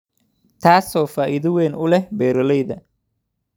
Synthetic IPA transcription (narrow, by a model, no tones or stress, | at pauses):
t̪ʰaːsɔːfaːʔɪðʊwɛːnʊlɛhbɛːɾɔlɛjðɐ